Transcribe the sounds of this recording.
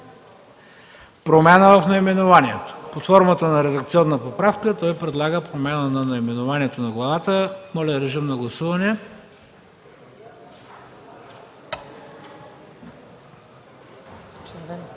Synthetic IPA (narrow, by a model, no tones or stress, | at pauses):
pɾomʲanəvɐfnɐimɛnʊvaniɛt̪o̥pot̪fɔɾmət̪ənɐɾɛd̪ɐk̚t̪siɔnːəpopɾafkət̪ɔjpɾɛd̪lˠaɡəpɾomʲanənɐnɐimɛnʊvaniɛt̪onɐɡlˠɐvat̪əmɔlʲɛɾɛʒəmnɐɡlˠɐsuvɐnɛ